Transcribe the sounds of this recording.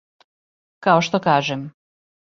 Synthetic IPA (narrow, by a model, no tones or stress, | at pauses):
kaoʃt̪okaːʒem